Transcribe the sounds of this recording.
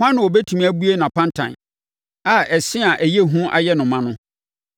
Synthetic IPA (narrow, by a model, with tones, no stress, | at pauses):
hã˦nʊ̃˨ɔ˨bɛ˦tʰu˨mĩ˨˦æ˦bu˦e˦nã˨pʰã˦ntʰã̰˨n | a˨ʔɛ˨sɪ˦a˨ʔæ˨je˦ɦũ˦ʔa̰˦jɛ˦nʊ̃˨mã˦nʊ̃˦